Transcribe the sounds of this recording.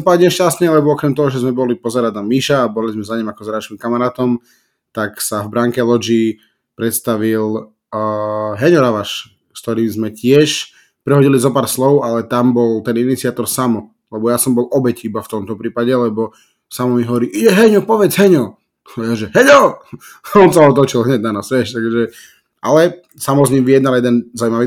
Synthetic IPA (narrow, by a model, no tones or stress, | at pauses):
paɲɛʃcast̪ɲɛlɛbɔɔkɾɛmt̪ɔɦɔʒɛzmɛbɔlipɔzɛɾad̪namiʃaːbɔlizmɛzaɲimakɔzaɾaʃkimkamaɾaːt̪ɔm | t̪aksavbɾaŋkɛlɔd͡ʒi | pɾɛt̪st̪aʋil | ɦɛɲɔɾaʋaʃ | st̪ɔɾiːmzmɛcɪɛʃ | pɾɛɦɔɟilizɔpaːɾslɔʊalɛt̪ambɔlt̪ɛninit͡siat̪ɔɾsamɔ | lɛbɔjasɔmbɔlɔbɛcibaft̪ɔmt̪ɔpɾiːpaɟɛlɛbɔ | samɔmiɦɔʋɔɾiʔiɛɦɛɲɔpɔʋɛd͡zɦɛɲɔ | ɛʒɛɦɛɲɔ | ɔnsaɔt̪ɔt͡ʃilɦɲɛɟ̚nanasʋɛʃt̪aɡʒɛ | a̰lɛ | samɔzɲimʋijɛd̪naljɛd̪ɛnzaumaʋiː